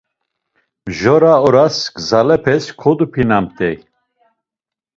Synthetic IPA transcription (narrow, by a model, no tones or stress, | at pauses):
ʒɔɾaɔɾasɡzalɛpʰɛskʰɔd̪upʰinamt̪ʼɛj